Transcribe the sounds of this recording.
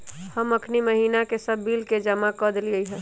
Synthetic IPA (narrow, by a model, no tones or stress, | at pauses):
həməkʰniməɦiːnakesəbːiːlked͡ʒəmakəd̪liəiɦɛ̃ː